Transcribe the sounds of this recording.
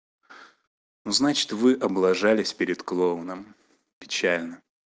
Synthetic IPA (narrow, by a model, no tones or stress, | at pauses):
nuznat͡ɕɪ̥t̪vɨʔɐblˠɐʐalʲɪsʲpʲɪɾʲɪt̪klˠonəm | pʲɪ̥t͡ɕælʲnə